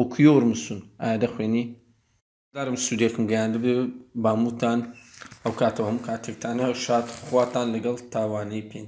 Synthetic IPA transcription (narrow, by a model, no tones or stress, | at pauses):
wɐkʰujowɾmɨsuna̰ːjad̪ɐxweni | d̪aːɾɨmsud̪ekɨmɡɐjaːnd̪ɨbebaːmut̪ʰaːnɐwkʰaːt̪ʰɐwhɐmukʰaːt̪ʰek̚t̪ʰaːnɐʃaːt̪xwaːt̪aːnlɐɡɐlˠt̪ʰaːwaːnejpʰen